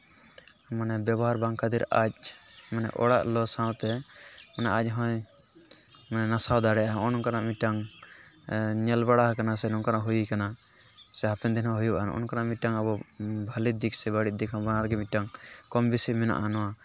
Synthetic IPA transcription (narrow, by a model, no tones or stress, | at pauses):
manɛbjɛbɔɦaɾbaŋkad̪iɾac̚manɛ̰ʔɔ̰ɽaʔlɔsãwt̪ɛmanɛʔac̚ˀɦɔ̃j | manɛnasawd̪aɽɛʔaɦɔnɔkanaʔmiʈaŋ | ɲɛlbaɽaɦkanasɛnɔŋkanaʔɦujikana | sɛapɛnd̪inɔ̃ɦujubʔan̰ʔɔ̰nkanaʔmiʈaŋabɔbʱalid̪iksɛbaɽit̪̚d̪ɛkʰabanaɾɡɛmiʈaŋkɔmbisimɛna̰ʔanɔwa